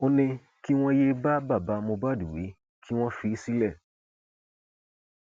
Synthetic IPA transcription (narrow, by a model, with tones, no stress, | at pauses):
o˧nĩ˧ | ki˦w̃ɔ̃˦je˦ba˦ba˦˨ba˨˦mõ˧ba˦˨du˨wḛ˨˦ | kʰi˦w̃ɔ̃˦fi˧˦si˦lɛ˦˨